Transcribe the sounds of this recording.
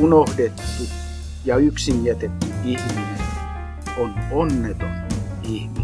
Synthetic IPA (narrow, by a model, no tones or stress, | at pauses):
unohdet̪ːu | jɑyksimiæt̪et̪ːyihminen | ononːet̪on | ihmi